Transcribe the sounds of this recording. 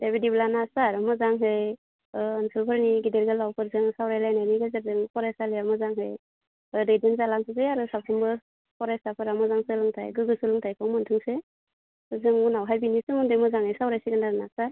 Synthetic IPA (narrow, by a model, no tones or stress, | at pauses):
debidiblanasaɾmɔzaŋɦɯj | ɯːnsɯlpʰɯɾniɡideɾɡɯlawpʰɯɾzɯŋsawɾajlajnajniɡazaɾzɯŋpʰɔɾajsaliamɯzaŋɦɯj | ɯdejdɯnzalaŋsʰɯzejaɾɯsapʰɾɯŋbɯ | pʰɔɾajsapʰɯɾamɔzaŋsɯlɯŋtʰajɡɯɡɯsɯlɯŋtʰajpʰɯŋmɯntʰɯŋse | ɯzɯŋunawɦajbinisɯmɯŋdɯmɔzaŋhɯjsawɾajsiɡanaɾnasaɾ